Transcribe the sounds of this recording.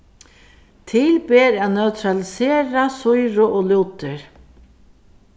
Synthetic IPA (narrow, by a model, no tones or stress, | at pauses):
t̪ʰɪlbeːɾaːnœʉt̪ʰɾalɪseːɾasʊjɾʊʔoːluːt̪əɹ